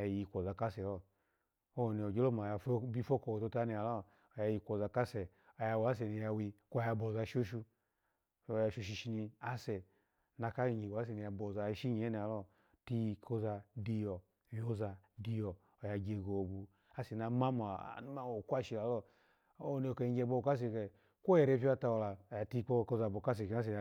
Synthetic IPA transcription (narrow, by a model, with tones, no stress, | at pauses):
ja˧˨ji˧˨kʷɔ˨za˧ka˦sɛ˨lɔ˦˨ | o˦˨ni˧˨o˨d͡ʒe˦lo˦ma˨a˧fbi˦˧fo˦ko˨o˨to˧ta˦ni˧˨a˨lɔ˦ | o˨ja˧ji˧kʷo˨za˧ka˦sɛ˨ | o˨ja˧wa˦s̬ɛ˨ni˧ja˧wi˧kʷo˦˧ja˧bo˨za˧˨ʃo˦ʃu˧ | o˨ja˧ʃo˧ʃ̬i˧ʃi˧ni˧a˦sɛ˨ | na˧ka˦i˧˨ɲi˨wa˦s̬ɛ˨ni˨˧ja˧bo˨za˧˦ʃi˦ɲi˨e˦ni˨a˨lɔ˦ | ti˧kʰo˦za˧di˧jɔ˨ | jo˦za˧di˧jɔ˨ | o˨ja˧ɡe˧˨ɡo˨bu˨ | a˦sɛ˨na˧˦ma˦mo̰˨nu˦ma˦wo˨kʷa˦ʃi˨˧la˨˦lɔ˦ | ne˨ke˨i˨˦ɡe˧˨bo˦˨ka˦s̬e˧˨ke˨ | kʷo˦jɛ˨ɾe˧˦˨pʲi˦a˧ta˧wo˧la˨ja˨ti˦˧˦k͡po˦˧˨ko˧za˧˨bo˨ka˦s̬ɛ˨ke˨a˦s̬ɛ˨